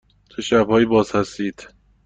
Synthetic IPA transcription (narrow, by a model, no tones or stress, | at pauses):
t̪ʰoʃæbhɒːjiːbɒːzhæst̪iːd̪̥